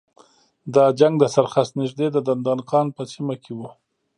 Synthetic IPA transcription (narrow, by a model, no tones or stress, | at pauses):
d̪ɑd͡ʒaŋɡd̪əsaɾxast̪nɪʒd̪ed̪əd̪and̪ɑnqɑnpəsimakʰewu